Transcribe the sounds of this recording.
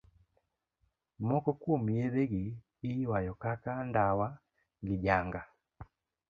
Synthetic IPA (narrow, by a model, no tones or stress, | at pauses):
mɔkɔkwɔmiɛβɛɡi | iwajɔkakandawa | ŋɡiɟaŋɡa